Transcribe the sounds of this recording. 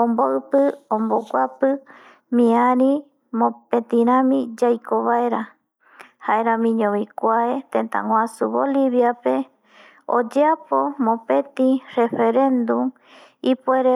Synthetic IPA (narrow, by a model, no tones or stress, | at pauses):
õmboɨpɨõmbokʷapɨ | mĩãɾĩ | mõpẽt̪ĩɾãmĩd͡ʒajkʰoβaeɾa | haeɾãmĩɲõβikʷaet̪ẽnt̪a̰ŋʷãsuβoliβjape̞ | o̰d͡ʒeapo̞mõpẽ̞t̪ĩrefe̞ɾẽ̞nd̪um | ipeɾe